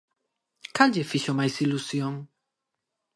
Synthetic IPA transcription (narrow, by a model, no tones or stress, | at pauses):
kadefiʃomajsilusjõŋ